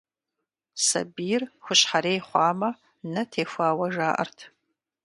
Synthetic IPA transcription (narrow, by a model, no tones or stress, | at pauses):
sɐ̰biːrxʷʊɕħaɾeːjχʷɑːmɐ | nɐtʰeːfʷaːwɐʒaːʔɐ̰rtʰ